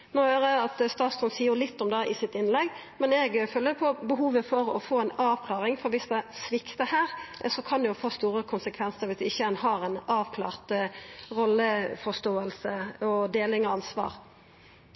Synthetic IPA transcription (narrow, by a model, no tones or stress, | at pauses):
noːhøːɾəɑt̪st̪ɑːt̪st̪ɔnsiːʊlɪt̪ːɔmd̪ɛʔɪsɪt̪ɪnlɛɡ | mɛnɛɡfœlːəpʰɔbəɦuːʋəfɔɾɔ̰foːɛnɑːʋkʰlɑːʁɪŋfɔɾʋɪsd̪ɛsʋɪkt̪əhæːʁsɔkʰɑnd̪jʊfoːst̪uːɾəkʰʊnsəkʰʋɛnsəɾʋɪsd̪ɛɪçːəɛnhɑːɾɛnɑːʋkʰlɑ̰ːʁt̪ʁɔlːəfɔst̪oːəlsəɔd̪eːlɪŋɔɑnsʋɑ̰ːɾ